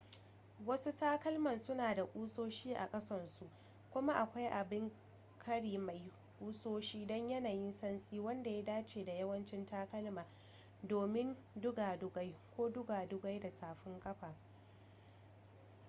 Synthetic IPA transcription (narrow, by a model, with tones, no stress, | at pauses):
wɐ˦su˦taː˦kɐ˦lmɐ˨nsʊ˦naː˨da˨ʔʼuː˦soː˦ʃiː˦ʔa̰˨kʼɐ˦sɐ˦nsu˨ʔ | kʷʊ˦ma˦ʔa˨kʷa˦jʔa˨bɪ˦ŋ | kʰɐ˦ɽiː˨ma˨j | kʼuː˦soː˦ʃiː˦dɔ˦ɲjɐ˦naː˨ji˦nsɐ˦nsʼiː˦wɐ˦nda˨ja˦daː˦t͡ʃeː˨da˨jɐ˦wɐ˦nt͡ʃɪ˦ntaː˦kɐ˦lmaː˨ | doː˨mɪ˦n | dʊ˦ɡaː˨dʊ˦ɡa˦jkʷoː˦dʊ˦ɡaː˨dʊ˦ɡa˦jda˨tʰaː˨ɸɪ˦ŋkʼɐ˦ɸaː˨